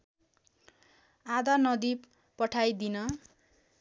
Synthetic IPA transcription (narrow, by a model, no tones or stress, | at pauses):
ad̪ʌnʌd̪i | pʌʈʰajd̪inʌ